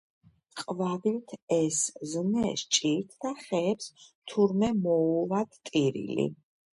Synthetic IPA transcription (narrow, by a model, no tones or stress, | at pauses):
qʼvad̪it̪ʰɛsznɛʃt͡ʃʼiɾt̪ʰd̪̥aχɛːpst̪ʰuɾmɛmɔvad̪t̪ʼiɾḭlḭ